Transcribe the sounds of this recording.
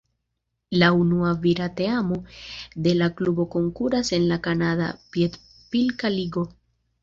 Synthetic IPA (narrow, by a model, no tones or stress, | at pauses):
launuaviɾat̪e̞amo̞d̪e̞laklubo̞ko̞ŋkuɾase̞nlakanada̰piet̪ | pilkaliɡo̞